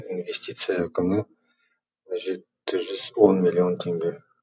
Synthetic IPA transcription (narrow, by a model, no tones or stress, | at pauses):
invʲe̞sʲt̪ʲit̪sɨjaækʲɪmɪ | ʒe̞t̪ːɪʒʏz̥wo̞nmʲilʲio̞nt̪ʰe̞ŋɡʲe̞